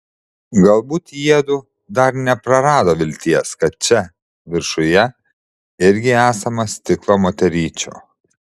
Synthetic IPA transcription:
ɡɐlˠbuːt̪iɛd̪ʊ | d̪ɐɾnʲɛpɾɐɾɑːd̪oːʋʲɪlʲt̪ʲiɛskɐt̪̚t͡ʃʲɛ | ʋʲɪɾʃʊjɛ | ɪɾʲɡʲɪæːsɐmɐsʲt̪ʲɪklˠoːmoːt̪ʲɛɾʲiːt͡ʃʲo̰ː

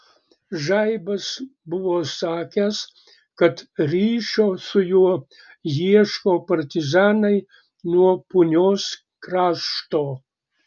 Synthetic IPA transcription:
ʒɑɪbɐsbʊʋoːsɑːkʲæs | kɐt̪ɾʲiːʃoːsʊjuɔ | jiɛʃkoːpɐɾʲt̪ʲɪzɑːnɐɪ | nuɔpʊnʲoːs | kɾɑːʃt̪oː

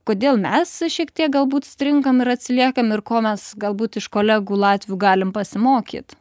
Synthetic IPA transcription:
koːd̪ʲeːlˠmʲɛsʃʲiɛkt̪ʲiɛk̚ɡɐlˠbuːt̪sʲt̪ʲɾʲɪŋkɐmɪɾɐt̪ʲsʲɪlʲiɛkɐmɪrkoːmʲɛsɡɐlˠbuːt̪ɪʃkoːlʲæːɡuːlˠɑːt̪ʲʋʲɪjuːɡɑːlʲɪmpɐsʲɪmoːkʲḭːt̪

